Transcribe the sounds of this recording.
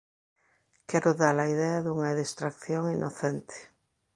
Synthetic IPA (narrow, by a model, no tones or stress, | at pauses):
kɛɾoðalaiðɛaðuŋaðest̪ɾakθjoŋinʔoθent̪e̥